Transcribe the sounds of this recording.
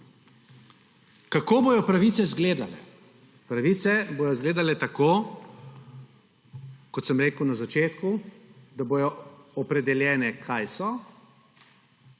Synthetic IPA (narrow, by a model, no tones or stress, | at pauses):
kakoːbojɔpɾaʋiːt̪sɛzɡleːd̪alɛ̰ | pɾaʋit̪sɛbojɔzɡleːd̪alɛt̪akoː | kɔt̪səmɾeːkəwnazat͡ʃeːt̪kud̪abojɔɔpɾɛd̪ɛljɛːnɛkʰajsɔ